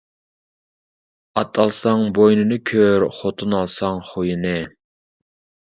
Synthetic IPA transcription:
ɑt̪ʰɑlˠsɑŋbojnɨnɨkʲʰøɾχot̪ʰunɑlˠsɑŋχojinɨ

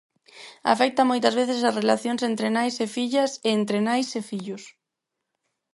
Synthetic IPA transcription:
a̰fɛk̚t̪ɐmojt̪ɐzβeθesasrelaθjonsent̪ɾenajsefiʎɐseent̪ɾenajsefiʎʊs

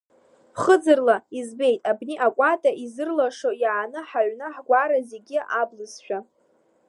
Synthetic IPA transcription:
χəd͡zɨrlaizbe̞jtʼabniʔakʷʼatʼaizɨrlaʂojaʕːnɨħaʕʷnɨħɡʷaɾaze̞ɡʲiablɨzʃʷᶣa

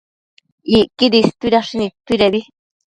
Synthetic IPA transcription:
ikid̪ist̪uiɾaʂinĩt̪uiɾeði

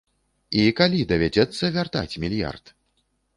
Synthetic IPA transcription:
ikalʲid̪ɐvʲad͡zʲɛt̪sːɐvʲart̪a̰t͡sʲmʲilʲja̰rt̪

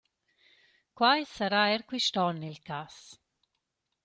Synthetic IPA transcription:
kwajsaɾaɛɾkwiʃt̪ɔnilkas

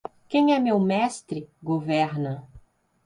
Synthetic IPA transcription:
kẽj̃ɛmewmɛst̪ɾɪɡovɛɾnɐ

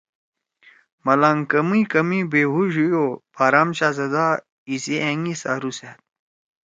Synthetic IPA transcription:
mɐlaːŋkɐmikɐmibeːɦuʑujopaːɾaːmɕaːzɐd̪aː | iseʔeŋisa̰ːɾuset̪̚

